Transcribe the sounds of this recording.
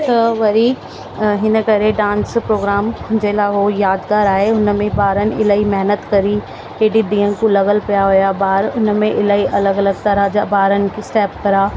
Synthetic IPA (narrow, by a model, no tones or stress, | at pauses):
t̪ɐʋɐɾiː | ɦɪnəkɐɾeɖãːnspɾoːɡɾaːmʊ̃d͡ʑeːlaːɦojaːd̪ɡaːɾaːɦeʊn̆mẽbaːɾənɪ̆ɪlaːimɛɦnət̪kɐɾi | ɦeːɖid̪ĩːə̃nɪ̆kũlɐɣəlpijaɦʊjabaːɾʊnə̆mẽʔɪlaːiʔɐləɡɐləɡt̪ɐɾəd͡ʑabaːɾənɪ̆kesʈɛːp̚kɐɾaː